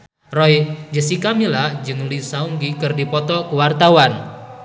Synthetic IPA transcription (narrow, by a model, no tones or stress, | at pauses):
rɔjd͡ʒəsikamilad͡ʒəŋulisauŋɡikɨrdipɔt̪ɔkuwart̪awan